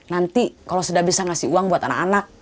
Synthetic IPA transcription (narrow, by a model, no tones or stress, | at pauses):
nant̪ikalosudabisaŋasiuaŋbuat̪ana̰kanak̚